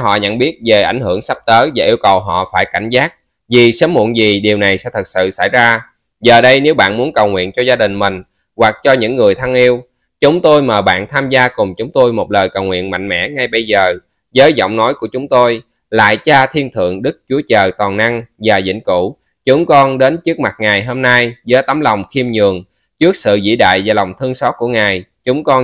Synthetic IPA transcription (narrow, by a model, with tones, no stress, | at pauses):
ɦɔ̰˧˨ɲə̰˧˥˨nɓi˦˥ət̚ve˨˩ʔa̰˧˩jŋ̟hɨ˧˩əŋsa˦˥p̚t̪əː˨˦vaː˨˩ʔi˧əwkə˨˩wɦɔ̰˧˨faː˧˩jka˧˩jŋ̟zaː˦˥k̚ | vi˨˩səː˨˦mːṵ˧˨nzi˨˩ɗi˨˩əwna˨˩jsɛ̰˧˥t̪ʰɨ˨˩t̚sɨ̰˧˨sa̰˧˩jzaː˧ | zəː˨˩ɗə˧jne˨˦wɓa̰ː˧˨nmu˨˦ənkə˨˩wŋwḭ˧˨ənt͡ɕɔ˧zaː˧ɗï˨˩ŋ̟mï˨˩ŋ̟ | wa˨˩k̚t͡ɕɔ˧ɲɨ̰˧˥ŋːɨ˨˩əjt̪ʰa˧ŋʔi˧əw | t͡ɕʊ˨˦ŋ͡mt̪o˧jməː˨˩ɓa̰ː˧˨nt̪ʰaː˧mzaː˧kʊ˨˩ŋ͡mt͡ɕʊ˨˦ŋ͡mt̪o˧jmo˨˩t̚ləː˨˩jkə˨˩wŋwḭ˧˨ənma̰˧˨ŋmɛ̰˧˥ŋa˧jɓə˧jzəː˨˩ | zəː˨˦jzɔ̰˧˨wŋ͡mnɔ˨˦jku˧˩ət͡ɕʊ˨˦ŋ͡mt̪o˧j | la̰ː˧˨jt͡ɕaː˧t̪ʰi˧ənt̪ʰɨ̰˧˨əŋɗɨ˦˥k̚t͡ɕu˨˦ət͡ɕəː˨˩t̪waː˨˩nʔa˧ŋvaː˨˩zḭ˧˥ŋ̟ku˧˩ | t͡ɕʊ˨˦ŋ͡mkɔ˧nɗe˨˦nt͡ɕɨ˦˥ək̚ma˨˩t̚ŋaː˨˩jɦoː˧mna˧jzəː˨˦jt̪ə˨˦mlɔ˨˩wŋ͡mxi˧mɲɨ˨˩əŋ | t͡ɕɨ˦˥ək̚sɨ̰˧˨zḭ˧˥ɗa̰ː˧˨jvaː˨˩lɔ˨˩wŋ͡mt̪ʰɨ˧əŋsɔ˦˥t̚ku˧˩əŋaː˨˩jt͡ɕʊ˨˦ŋ͡mkɔ˧